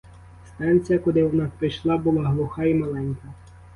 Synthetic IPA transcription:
st̪ɑnʲt͡sʲijɐkɔd̪ɪwɔnɑpɾijʃlˠɑbʊlˠɑɦlˠʊxɑimɐlˠɛnʲkɐ

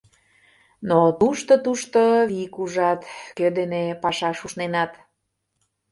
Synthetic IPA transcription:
not̪uʃt̪ot̪uʃt̪oβikuʒɑt̪kød̪enepɑʃɑʃuʃnenɑt̪

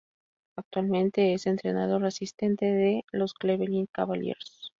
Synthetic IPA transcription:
ak̚t̪walmẽ̞nt̪e̞ese̞nt̪ɾe̞nað̞o̞resist̪e̞nt̪e̞ðelo̞skleβeliŋkaβaljḛɾos

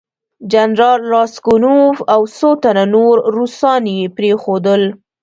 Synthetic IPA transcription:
d͡ʒanɾɑlːɑskʊnufawsot̪ananoɾɾusɑnjepɾexod̪əl

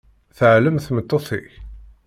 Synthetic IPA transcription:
θəʕləmθmət̪ˤːoθḭç

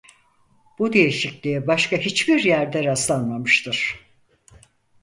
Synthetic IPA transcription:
b̥ud̪e̞jiʃiclʲijibaʃkaɦit͡ʃbiɾjæɾd̪ɛɾaslˠanmamɯʃt̪ʰɯɾ̥

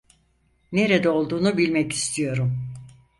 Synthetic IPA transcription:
neɾɛd̪ɛo̞lˠd̪uːnubilʲmɛci̥st̪ʰijo̞ɾum

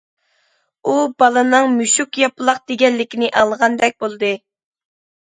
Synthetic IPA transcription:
ubɑlˠɨnɨŋmyʃukjɑpɨlˠɑq̚d̪eɡʲɛnlɪkʲinɪʔɑlˠʁɑnd̪ɛk̚ʲbolˠɨd̪ɨ

